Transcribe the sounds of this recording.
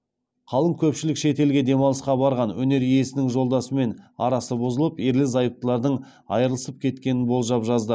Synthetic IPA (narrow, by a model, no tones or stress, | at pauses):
qʰɑlˠəmkʲʰɵpʃɪlɪkʃe̞t̪e̞lɡʲe̞d̪e̞mɑlˠəsqɑbɑɾʁɑnwɵ̰ne̞ɾije̞sɪnɪŋʒo̞lˠd̪ɑsəme̞nɑ̰ɾɑsəbozəlˠəpeɾlɪzɑjəp̚t̪əlˠɑɾd̪əɴ | ɑ̰jəɾəlˠəsəp̚kʲʰe̞t̪kʲe̞nɪnbo̞lˠʒɑpʒɑzd̪ə